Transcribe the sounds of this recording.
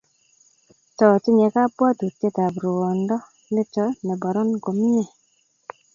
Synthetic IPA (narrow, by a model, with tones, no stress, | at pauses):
tɔ˨tɪ˦ɲɛ˨ka˦pwa˦tu˨te˦ta˨bɾu˨wɔ˨ndɔ˦ | mɪ˦t͡ʃɔ˦nɛ˨bɔ˨ɾɔ˦nɡo˨m˦ɲɛ˦˨